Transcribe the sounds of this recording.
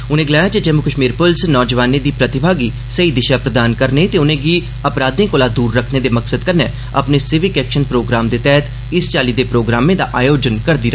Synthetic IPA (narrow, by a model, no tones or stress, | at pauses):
ʊnẽːɡəlaːjaːd͡ʒed͡ʒəmʊkəʃmiːɾpʊlsnɔːd͡ʒəʋaːneːd̪iːpɾət̪ɪbʱaːɡiː | səiːd̪ɪʃaːpɾəd̪aːnkəɾneːt̪eːʊnẽːɡiː | əpɾaːd̪ẽːkoːlaːd̪uːɾːəkʰneːd̪eːməksəd̪kəɾneː | ə̰pneːsɪʋɪkɛːkʃənpɾoːɡɾaːmd̪eːt̪ɛːt̪ | ɪst͡ʃaːliːd̪eːpɾoːɡɾaːmẽːd̪a̰ːʔaːjoːd͡ʒənkəɾd̪iːɾa